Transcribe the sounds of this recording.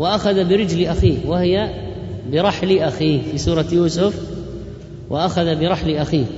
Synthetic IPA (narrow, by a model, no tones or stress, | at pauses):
wɪʔaxaðabɪɾɪd͡ʒliʔaxiːhwɪhɪja | bɪɾˤɑħliʔaxiːhfisuːɾˤɑjuːsʊf | wʔɪʔaxaðabɪɾˤɑħliʔaxiː